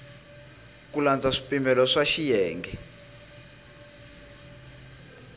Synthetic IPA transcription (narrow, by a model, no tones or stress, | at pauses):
k̬uland͡zaʂi̥pʼimbɛlɔʂaʃijɛːŋɡɛ